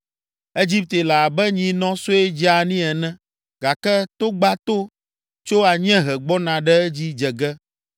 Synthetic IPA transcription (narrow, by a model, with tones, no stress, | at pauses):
e˦d͡ʑi˦p̚t̪e˨la˨a˨bɛ˦ɲĩ˨nɔ̃˦so˦e˦d͡ʑi˦a˨nĩ˦ɛ˨nɛ̃˦ | ɡ̥a˨kɛ˦t̪o˦ɡ͡ba˦t̪o˦ | t͡ʃo˦a˨ɲɛ̃˦ɦɛ˨ɡ͡bɔ˦nã˨ɖɛ˦ɛ˦d͡ʑi˦d͡ʒɛ˨ɡɛ˦